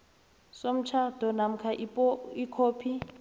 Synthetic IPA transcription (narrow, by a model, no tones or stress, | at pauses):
som̩t͡ʃʰad̥ʱɔnam̩kʰaʔpikʰoːpʰi